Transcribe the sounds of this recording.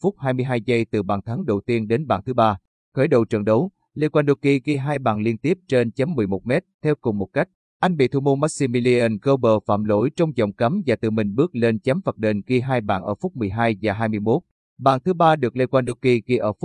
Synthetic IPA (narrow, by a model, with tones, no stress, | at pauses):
fʊ˦˥k͡p̚haː˧jmɨ˧əjɦaː˧jzə˧jt̪ɨ˨˩ɓaː˨˩nt̪ʰa˨˦ŋɗə˨˩wt̪i˧ənɗe˨˦nɓa̰ː˧˩nt̪ʰɨ˨˦ɓaː˧ | xəː˧˩jɗə̰˧˨˩wt͡ɕə̰˨˩nɗə˨˦w | le˧kwaː˧nɗo˧˦ki˧ɣi˧ɦaː˧jɓaː˧˨˩nli˧ənt̪i˦˥əp̚t͡ɕe˧nt͡ɕa˨˦mːɨ˨˩əjmo˨˥t̚mɛ˦˥t̚t̪ʰɛ˧wkʊ˨˩ŋ͡mmo˨˩t̚ka˦˥jk̟̚ | ʔa˧jŋ̟ɓḭ˧˨t̪ʰu˧mo˧nma˦˥si˧mi˧li˧ʔə˧nɣə˧wɓəː˨˩fa̰ː˧˨mlo̰˧˩jt͡ɕɔ˧wŋ͡mzɔ̰˨˩wŋ͡mkə˨˦mvaː˨˩t̪ɨ˨˩mï˨˩ŋ̟ɓɨ˦˥ək̚le˧nt͡ɕa˨˦mfə˨˩ɗe˧˩nɣi˧ɦaː˧jɓa̰ː˧˩nʔəː˧˩fʊ˦˥k͡p̚mɨ˨˩əjɦaː˧jvaː˨˩ɦaː˧jmɨ˧əjmo˦˥t̚ | ɓa̰ː˧˩nt̪ʰɨ˨˦ɓaː˧ɗɨ˨˩ək̚le˧kwaː˧nɗo˧˥ki˧ɣi˧ʔəː˧˩fʊ˦˥